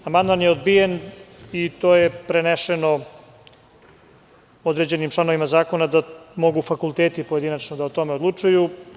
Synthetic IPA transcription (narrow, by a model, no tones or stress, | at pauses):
amand̪manjeod̪bijenit̪oːjepɾeneʃeno | od̪ɾed͡ʑe̞nimt͡ʃlˠano̞ʋimazaːko̞nad̪amo̞ɡufakulˠt̪eːt̪ipo̞je̞d̪inat͡ʃnod̪aot̪o̞meod̪lˠut͡ʂuju